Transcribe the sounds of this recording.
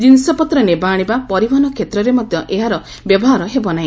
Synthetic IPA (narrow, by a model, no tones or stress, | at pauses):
d͡ʒ̪insɔpɔt̪ɾɔnebaːɽ̃ibapɔɾibanɔkʰet̪ɾɔɾemɔd̪ʱjɔʔeɦaɾɔ | bjɔbɔɦaɾɔɦebɔnaĩ